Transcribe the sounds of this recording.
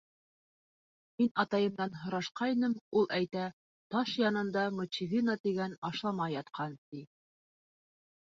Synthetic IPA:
minɑt̪ɑjɤ̆mnɑnɦŏɾɑʃqɑinɤmulˠæjt̪æ | t̪ɑʃjɑnɤ̆nd̪ɑmut͡ɕivʲinat̪iɡænɑʃlˠɑmɑjɑt̪qʰɑnt̪i

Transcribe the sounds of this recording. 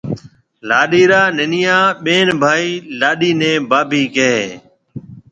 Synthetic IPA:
laːɗiːɾaːnɪnɪjaːɓeːnbʱaːiːlaːɗiːnẽːbaːbʱiːkeɦeː

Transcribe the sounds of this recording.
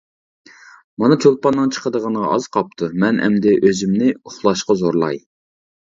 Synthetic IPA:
mɑnɑt͡ʃʰolˠpɑnːɨŋt͡ʃʰə̥qʰəd̪əʁɑnʁɑ̰ɑz̥qʰɑp̚t̪ʰumɛnɛ̰md̪ɪʔøzymnɪuχlˠɑʃqɑzoɾlˠɑ̰j

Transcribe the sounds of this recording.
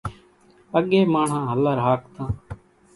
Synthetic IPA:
əɠeːmaːɳ̤ãːɦəlaːɾaːk̚t̪ãː

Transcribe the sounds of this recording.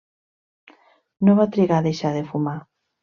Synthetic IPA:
noβat̪ɾiɣaðejʃaðefuma

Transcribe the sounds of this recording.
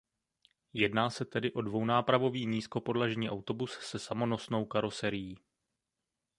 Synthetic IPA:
jɛdnaːsɛt̪ɛdɪʔo̞dvo̞wnaːpɾavo̞viːɲiːsko̞po̞dlaʒɲiːʔawt̪o̞bussɛsamo̞no̞sno̞wkaɾo̞sɛɾɪjiː

